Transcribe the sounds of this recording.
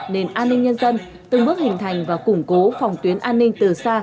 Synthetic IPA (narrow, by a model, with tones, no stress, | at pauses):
ne˨˧˩nʔaː˧nːï˧ŋ̟ɲə˧nzə˧n | t̪ɨ˨˩ŋɓɨ˦˥ək̚hï˨˩ŋ̟t̪ʰa˨˩jŋ̟vaː˨˩kʊ˧˩ŋ͡mko˨˦fɔ˨˩wŋ͡mt̪wi˨˦ənʔaː˧nːï˧ŋ̟t̪ɨ˨˩saː˧